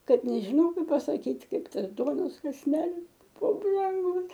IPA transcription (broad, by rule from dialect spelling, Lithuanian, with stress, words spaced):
ˈkɐt nʲɛʒʲɪˈnɐʊ ˈkɐɪp pɐsɐˈkʲiːtʲ ˈkɐɪp ˈtɐs ˈduɔnoːs kɐsʲˈnʲæːlʲɪs ˈbʊ brɐŋˈɡʊs